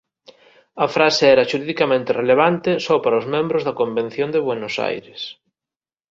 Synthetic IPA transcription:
ɐfɾaseɛɾɐʃuɾiðikamẽnt̪ɪreleβ̞ant̪ɪsɔpaɾɐʊzmẽmbɾʊzðɐkombẽn̟θjond̪eβwenosa̰jɾɪs

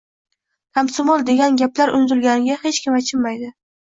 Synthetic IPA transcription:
t̪ʰamsɪmolˠd̪e̞ɡʲanɡʲaplaɾʊnzɪlɡʲanɪɡʲahe̞t͡ʃkʲɪmat͡ʃʰɪmmajd̪ɪ

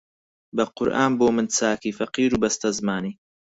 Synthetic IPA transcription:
bɐqʊɾʔaːnboːmɨnt͡sʰaːkiːfɐqiːɾuːbɐst̪ɐzmaːniː

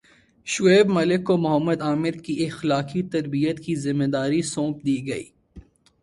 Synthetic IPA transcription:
ʃʊeːbmɐlɪkːomʊɦəmːəd̪aːmɪɾkiɪxlaːkit̪ɐɾbijət̪kizɪmːed̪aːɾisõːp̚d̪iːɡɐḭː

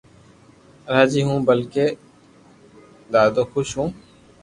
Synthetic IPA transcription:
ɾaːd͡ʒiːɦũːbəlkeː | d̪aːd̪oːxʊʃɦũː

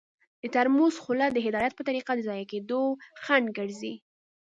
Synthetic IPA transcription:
d̪̥ət̪aɾmuzxʊlad̪əɦɪd̪ɑjat̪̚pət̪aɾiqad̪əzɑjaked̪oxanɡəɽzi

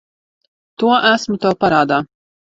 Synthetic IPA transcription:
t̪uɔʔæsmut̪awpaɾaːd̪aː

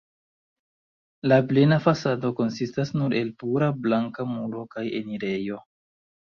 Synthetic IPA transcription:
laplenafasado̞ko̞nsistasnuɾe̞lpuɾablaŋkamuɾo̞kaje̞̰niɾe̞jo̞

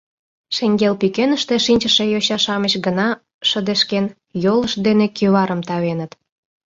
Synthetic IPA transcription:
ʃeŋɡelpykenəʃt̪eʃinʲt͡ɕəʃejoɕɑʃɑməɕɡənɑ | ʃəd̪eʃken | joləʃd̪enekyβɑɾəmt̪ɑβenət̪

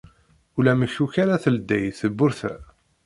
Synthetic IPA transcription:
ulæməçukaɾaθəld̪ːæjθəbːʊɾθæ̰

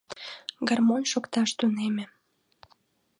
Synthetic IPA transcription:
ɡɑrmonʃokt̪ɑʃt̪unemĕ

